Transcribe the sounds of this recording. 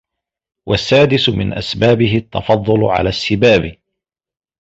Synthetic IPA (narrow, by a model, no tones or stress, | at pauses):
wʔasːaːd̪ɪsʊmɪ̰nʔa̰sbaːbɪɦɪt̪ːɑfɑd̪ˤːʊl̰ʕa̰laːsːɪbaːb